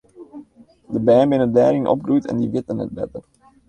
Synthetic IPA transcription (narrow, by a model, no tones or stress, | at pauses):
dəbɛːmbɪnədɛːɾɪŋnʔɔ̰p̚ɡrujtɛ̰ndiʋɪtənə̰t̚bɛ̰tər